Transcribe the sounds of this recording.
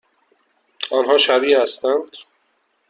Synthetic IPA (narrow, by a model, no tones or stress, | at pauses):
ɒːnɦɒːʃæbiːhæst̪ænd̪̥